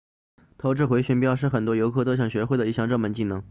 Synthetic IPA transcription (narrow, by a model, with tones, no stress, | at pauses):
t̪ʰo˧˥ʊʈ͡ʂɻ̩˥˩xwe˧˥ɪɕɥɛ˧˥npjɑ˥˧ʊʂ̬ɻ̩˥˩xə˨˩nt̪wɔ˥jo˧˥ʊkʰɤ˥˧˩t̪ɔ˥˩ɕjɑ˥˩ŋɕɥɛ˧˥xe˥˩ɪd̪ə˩i˥˩ɕjɑ˥˧ŋʈ͡ʂɤ˥˩ŋmə˧˥nt͡ɕi˥˩nɤ˧˥ŋ